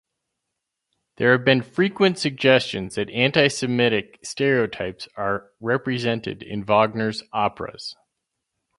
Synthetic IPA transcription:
ðə˞ɨvbɨ̃nfɹikwɨ̃ntsɨɡ̚d͡ʒɛst͡ʃɨ̃nzðɨɾæ̃ntaɪsɨmɪɾɨkstɛɹioʊtʰaɪpsə˞ | ɹɛpɹizɛ̃ntɨ̰ɾɪ̰̃nvɑɡ̚nə˞zɑpɹɨ̰z̥

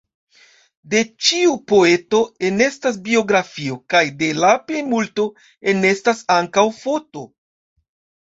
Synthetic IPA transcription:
de̞t͡ʃiupo̞e̞to̞e̞ne̞stas̬bio̞ɡɾafio̞kajde̞lape̞jmulto̞ | e̞ne̞stasaŋkawfo̞to̞

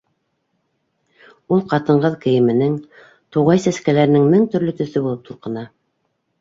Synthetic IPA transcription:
ulˠqɑt̪ɤ̆ɴʁɤðkɘ̆jɘ̆mɘ̆nɘŋ | t̪uʁɑjsæskælæɾɘ̆nɘŋmɘŋt̪ɵ̆ɾlɵt̪ɵ̆θɘbulˠɤp̚t̪ulˠqɤ̆n̪ɑ

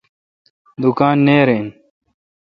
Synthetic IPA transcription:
d̪ukaːnːeːɾeːn

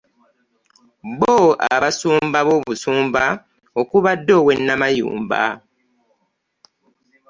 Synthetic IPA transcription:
βoa̰βasuːmbaβoːβusuːmba | okuβadːo̞ːwenːamajṵːmba̰

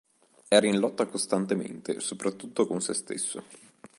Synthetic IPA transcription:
ɛɾainlɔt̪ːakost̪ant̪emḛnt̪ḛsopɾat̪ːut̪ːokonsḛst̪ḛsːo

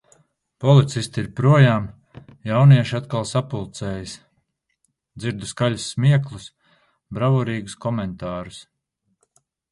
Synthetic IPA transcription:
pɔlˠit̪sist̪iiɾpɾuɔjaːm | jawniɛʃiat̪kalˠsapulˠt̪sɛːjis | d̪ziɾd̪uskalʲusːmiɛklˠus | bɾavɔɾiːɡuskɔmɛnt̪aːɾus

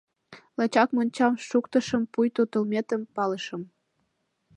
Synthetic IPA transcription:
lɑt͡ɕɑkmonʲt͡ɕɑmʃukt̪əʃəmpujt̪ut̪əlmʲet̪əmpɑləʃə̆m

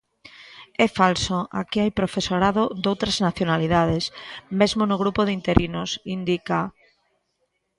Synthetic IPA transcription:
ɛfalsoa̰kiajpɾofesoɾaðod̪owt̪ɾaznaθjonaliðað̞esmezmonoɣ̞ɾupoðint̪eɾinosind̪ika

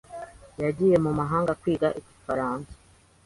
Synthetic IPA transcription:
jaɟije̞mumaɦaːŋɡakwiːɡaʔiɟifaɾaːnsḁ

